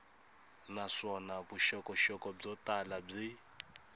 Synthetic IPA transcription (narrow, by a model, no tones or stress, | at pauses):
naʂɔnabuʃɔkʼɔʃɔkʼɔb͡ʐɔtʼalab͡ʐi